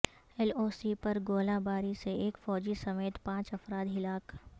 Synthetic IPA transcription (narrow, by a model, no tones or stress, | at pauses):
ɛloːsipɐɾɡoːlãbaːɾiseeːkfɔːd͡ʒisɐmeːt̪pãːt͡ʃɐfɾaːd̪ɦɪlaːk